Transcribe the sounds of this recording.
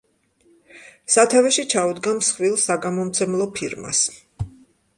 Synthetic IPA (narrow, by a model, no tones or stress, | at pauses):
sat̪ʰavɛʃit͡ʃʰaud̪ɡamsχvilˠsaɡamɔmt̪sʰɛmlˠɔpʰiɾma̰s